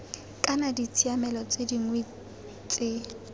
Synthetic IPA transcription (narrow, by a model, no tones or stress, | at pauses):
kʼanadit͡sʰiamɛlɔt͡sʼediŋwe | t͡sʼɪ